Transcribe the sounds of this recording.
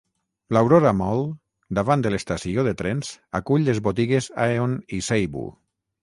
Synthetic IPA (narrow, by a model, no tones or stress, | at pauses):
lawɾoɾamɔlˠ | d̪aβand̪əlest̪asioðet̪ɾensa̰kuʎlezβot̪iɣezaeonisejβṵ